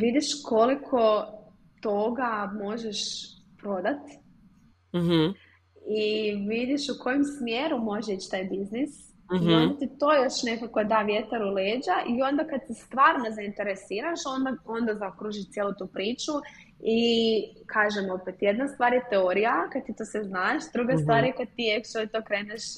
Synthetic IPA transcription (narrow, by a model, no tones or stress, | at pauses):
ʋid̪iʃkʰo̞likʰo̞ | t̪o̞ɡamo̞ʒeʃ | pɾo̞d̪at̪ | iʋid̪iʃuko̞jemsmjeɾumo̞ʒeit͡ɕt̪aːjbiznis | ond̪at̪it̪o̞ːjo̞ʃnekakod̪aːʋje̞t̪aɾuleːd͡ʒaʔio̞nd̪akad̪̚t̪ist̪ʋaːɾnozaint̪e̞ɾesiːɾaʃo̞nd̪ao̞nd̪azaokɾuʒiʃt̪jelˠut̪uːpɾiːt͡ʃu | ikʰaːʒemo̞pet̪jed̪nast̪ʋaːɾjet̪eoɾijakad̪t̪it̪oseznaʃd̪ɾuɡast̪vaːɾjekad̪̚t̪iekt͡ʃolit̪oːkɾeːneʃ